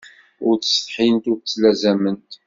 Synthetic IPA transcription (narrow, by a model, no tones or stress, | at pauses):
ʊɾt͡sə̥sfħint̪ʊɾt͡sːlæzæmənt̪